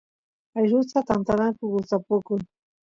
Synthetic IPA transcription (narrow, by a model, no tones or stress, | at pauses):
ajɾʊt͡sat̪ant̪anakʊɡʊt͡sapʊkʊŋ